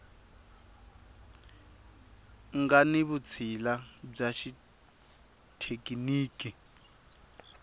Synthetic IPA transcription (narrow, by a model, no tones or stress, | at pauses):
ŋɡaniβut͡sʰilab͡ʐaʃi | tʰekʼiniːkʼi